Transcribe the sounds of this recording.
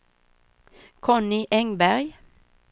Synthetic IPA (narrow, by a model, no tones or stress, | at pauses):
kʰɔnɪʔɛŋbæʁj